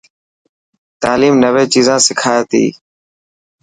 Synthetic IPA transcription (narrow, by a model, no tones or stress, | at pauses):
t̪aːliːmnəʋeːt͡ʃiːzãːsɪkʰaːt̪ḭː